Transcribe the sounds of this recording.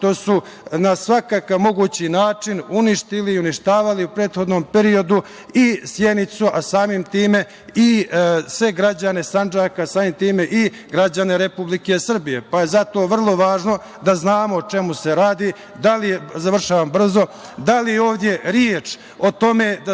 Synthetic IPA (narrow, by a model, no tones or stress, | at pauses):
ʂt̪o̞su | nasʋakakaʋmo̞ɡuːt͡ɕinaːt͡ʂinuniʃt̪iliːuniʃt̪aːʋaliupɾe̞ːt̪xo̞d̪noːmpeɾio̞d̪u | isjed̪nit̪suʔasaːmimt̪iːme̞ | isʋe̞ɡɾad͡ʑane̞sand͡ʒaːkasaːmimt̪iːme̞ʔi | ɡɾad͡ʑane̞ɾepublikesr̩bije̞pajezat̪o̞ːʋr̩lˠo̞ʋaːʒno̞ | d̪aznaːmo̞t͡ʂe̞muse̞ɾaːd̪i | d̪alijezaʋr̩ʃaːʋambr̩zo̞d̪alijeo̞ːʋd̪je̞ɾjeːt͡ʃ | ot̪o̞me̞d̪a